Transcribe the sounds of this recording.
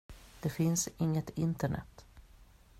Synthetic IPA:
d̪̥ɛfɪnsɪŋːət̪ɪnt̪əɳɛ̰t̪ː

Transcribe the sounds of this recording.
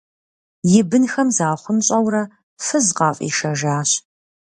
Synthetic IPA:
jɪbɨnxɐmzaːχʷʊmɕʼɐwrɐ | fɨzqɑːfʼḭːʃɐʒaːɕ

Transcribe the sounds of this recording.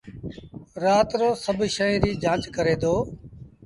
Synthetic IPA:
ɾaːt̪ɾoːsəbʃəĩːɾiːd͡ʒãːt͡ʃkəɾeːd̪oː

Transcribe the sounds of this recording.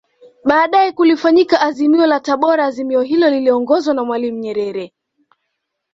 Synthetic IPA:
ɓaːɗaɛkulifaɲikaʔːzimiɔlataɓɔɾaːzimiɔɦilɔliliɔŋɡɔzwanamwalim̩ɲɛɾɛɾɛ

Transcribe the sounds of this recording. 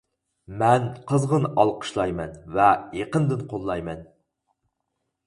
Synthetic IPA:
mɛnqʰəzʁənɑlˠqʰə̥ʃlˠɑjmɛnvɛjeqənd̪ɨnqʰolˠːɑjmɛn

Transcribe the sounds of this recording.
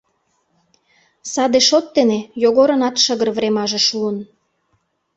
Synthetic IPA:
sɑd̪eʃot̪̚ːenejoɣoɾɤ̆nɑt̪ʃəɣərvɾemɑʒeʃuən

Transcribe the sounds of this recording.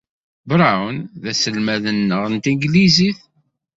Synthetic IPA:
bɾˤawənðæsəlmæðənːəʁənt̪iŋɡliziθ

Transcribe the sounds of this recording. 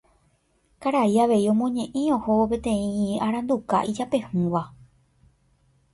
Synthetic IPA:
kaɾaiaʋe̞iõ̞mõ̞ɲẽ̞ʔĩõ̞ho̞op̬e̞t̪ẽ̞ĩaɾãnd̪uka̰ʔid͡ʒape̞hũʋa

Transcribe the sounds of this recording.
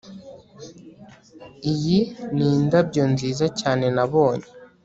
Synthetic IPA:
ijiniːndabɟo̞nziːzacaːne̞naβoːɲe

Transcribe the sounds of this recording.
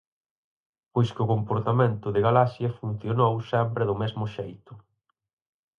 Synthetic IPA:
pojskʊkompoɾt̪amẽnt̪ʊðɪɣalasjɐfun̟θjonowsɛmpɾɪðʊmezmʊʃejt̪ʊ

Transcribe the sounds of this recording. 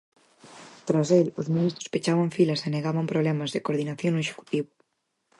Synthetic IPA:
t̪ɾaselʊzmĩnist̪ɾo̥spet͡ʃaβaɱfilɐseneɣaβampɾoβlɛmɐzðekoɾðinaθjoŋnʊeʃe̥ku̥t̪iβʊ

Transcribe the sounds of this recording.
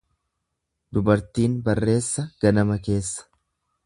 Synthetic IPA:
d̪ʊbɐɾt̪iːnbɐrːe̞ːsːɐɡ̥ɐnɐmɐke̞ːsːɐ̥

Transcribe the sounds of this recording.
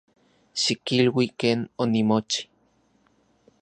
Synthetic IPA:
ʃikilwikeːnonimot͡ʃi̥

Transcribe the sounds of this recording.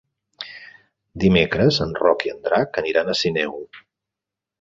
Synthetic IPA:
d̪imekɾəzənrɔkiənd̪ɾakəniɾanəsinɛw

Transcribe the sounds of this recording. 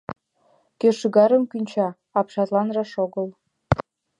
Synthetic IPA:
køʃyɣɑɾəmkynʲt͡ɕɑ | ɑpʃɑt̪lɑnrɑʃoɣəl

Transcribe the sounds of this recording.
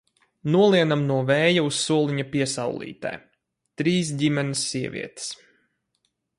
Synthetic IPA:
nuɔlˠiɛnamnuɔvɛːjaussuɔlˠiɲapiɛsawlˠḭːt̪a̰j | t̪ɾiːs̬dʲimɛnisːiɛvʲḭɛt̪i̥s

